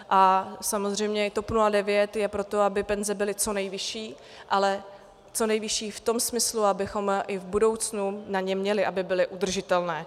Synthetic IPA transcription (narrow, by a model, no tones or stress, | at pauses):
ʔasamozr̝ɛjmɲɛɪt̪o̞pnuladɛvjɛt̪jɛpɾo̞t̪o̞abɪpɛnzɛbɪlɪt͡so̞nɛjvɪʃiː | ʔalɛ | t͡so̞nɛjvɪʃiːft̪o̞msmɪsluabɪxo̞mɪvbudo̞wt͡snunaɲɛmɲɛlɪʔabɪbɪlɪʔud̪r̩ʒɪt̪ɛlnɛː